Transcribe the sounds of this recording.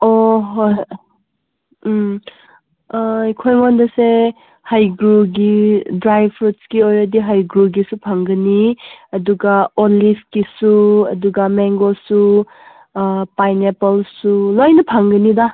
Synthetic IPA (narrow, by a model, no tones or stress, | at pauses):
oɦoj | kʰojmondɐse | hajɡɾuɡidɾajbʰɾutskiojɾɐdiɦajɡɾuɡisupʰaŋɡɐniɐduɡaonlipʰkisuɐduɡɐmeŋɡosu | pajnepɔlsulojnɐpʰaŋɡɐnida